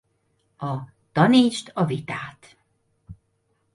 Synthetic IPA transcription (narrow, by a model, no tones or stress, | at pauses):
ɒ | t̪ɒniːt͡ʃt̪ɒvit̪aːt̪